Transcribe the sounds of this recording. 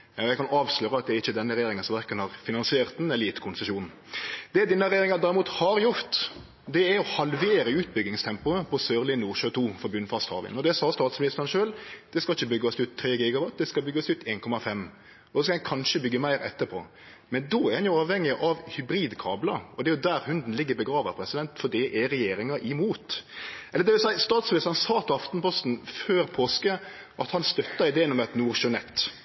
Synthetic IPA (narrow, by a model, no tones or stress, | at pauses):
ɑjɛɪkʰɑnɑːʋsløːɾəɑt̪̚d̪ɛæɾɪçːəd̪ɛnːəɾɛjeːɾɪŋənsɔmʋæɾkənhɑɾfɪnɑnsɪeːɾt̪̚d̪nɛliːt̪kʰʊnsəʂuːn | d̪̥ɛd̪ɛnːəɾɛjeːɾɪŋɑd̪ɑːɾɪmuːt̪hɑɾjʊɾt̪ | d̪ɛæɾɔhɑlʋeːɾəʉːt̪̚bʏɡ̪ɪŋst̪ʰɛmpʊəpʰɔsøːɾlɪnuːʃøːt̪ʰuːfɔɾbʉnfɑst̪hɑ̰ːʋɪ̰nɔd̪ɛsɑːst̪ɑːt̪smɪnɪst̪əɾənʃøːld̪̥ɛskɑlɪçːəbʏɡːɑsʉt̪ʰːɾeːɡiːɡɑʋɑt̪̚d̪ɛskɑbʏɡːɑslʉt̪ʰeːnkʰɔmɑfɛm | ɔd̪ɔskɑhɛkʰɑnʃəbʏɡːəmæɪɾɛ̰t̪ːəɾpʰo̰ː | mɛnd̪oːæɾhɑnjʊɑːʋhɛŋːɪʔɑʋhʏbɾiːd̪kʰɑːblɑɔd̪ɛæɾjʊd̪æːɾhʉnd̪n̩lɪɡːəbəɡɾɑːʋəɾpʰɾɛsɪd̪ɛnt̪fɔd̪iʔɛɾɛjeːɾɪŋɑʔɪmuːt̪ɛlːəd̪ɛʋɪlsæɪst̪ɑːt̪smɪlɪst̪ɾnsɑːpʰɔɑft̪npɔst̪n̩føːɾpʰoːskə | ʔɑt̪hɑnst̪œt̪ːɑɪd̪eːnɔmɛt̪nuːɾʃønɛt̪ː